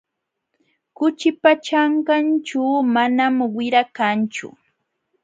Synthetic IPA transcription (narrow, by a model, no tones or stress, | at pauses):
kʊt͡ʃɪpat͡ʃaɴkant͡ʃaːmanamwɪɾakant͡ʃʊ̰